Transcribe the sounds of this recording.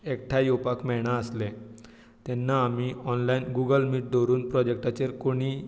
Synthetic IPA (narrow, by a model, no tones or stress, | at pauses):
ekʈʰajopakmɛɽ̃aəsle | t̪ɛnːaːmiːɔnlainɡuɡəlmiːʈ̚d̪ɔɾuːnpɾɔd͡ʑek̚ʈat͡ɕeɾkoɽ̃iː